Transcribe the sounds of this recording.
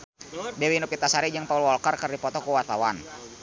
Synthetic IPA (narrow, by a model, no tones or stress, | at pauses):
dɛwinupit̪asaɾid͡ʒəŋpaulwɔlkərkərdipɔt̪ɔkuwat̪awan